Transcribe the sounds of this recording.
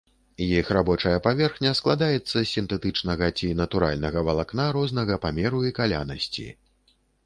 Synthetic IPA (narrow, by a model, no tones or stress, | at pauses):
jixrabɔt͡ʂɐjɐpavʲɛrxnʲɐsklˠad̪ajɛt̪sːɐsʲint̪ɛt̪ɨt͡ʂnɐɣɐt͡sʲinɐt̪uɾa̰lʲnɐɣɐvɐlˠaknaɾɔznɐɣɐpamʲɛɾuikalʲa̰nɐsʲt͡sʲḭ